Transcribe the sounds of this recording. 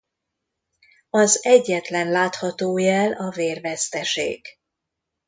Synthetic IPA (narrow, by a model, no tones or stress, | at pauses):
ɒzɛɟːɛt̪lɛnlaːt̪hɒt̪oːjɛlɒveːrvɛst̪ɛʃḛːɡ̥